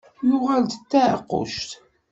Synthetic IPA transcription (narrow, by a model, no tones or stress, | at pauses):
jʊʁald̪ət̪ːæʕqːo̰ʃt̪